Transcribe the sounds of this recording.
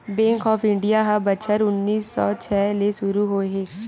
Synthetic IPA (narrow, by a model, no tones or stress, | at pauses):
bɛ̃ːŋkɔːfɪ̃ɳɖijaɦabət͡ʃʰəɾʊnːiːsːɔ̰ːt͡ʃʰɛːleʃʊɾuɦoːeɦeː